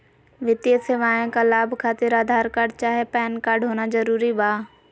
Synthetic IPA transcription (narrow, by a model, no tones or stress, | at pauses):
ʋɪt̪jəseːʋaːẽkalaːbʱkʰaːt̪ɪɾaːd̪ʱaːɾkaːɾɖt͡ʃaːɦepɛːnkaːɾɖɦoːnazɐɾuːɾibaː